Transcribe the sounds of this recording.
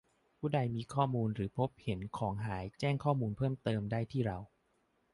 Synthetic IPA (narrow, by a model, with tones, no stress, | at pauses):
pʰuː˥˩da˧jmiː˧kʰɔː˥˩muː˧nɾɯː˩˦pʰo˦˥p̚he˩˦nkʰɔː˩˦ŋɦaː˩˦jt͡ɕɛː˥˩ŋkʰɔː˥˩muː˧npʰɤː˥˩mt̪ɤː˧mdaː˥˩jt̪ʰiː˥˩ɾa˧w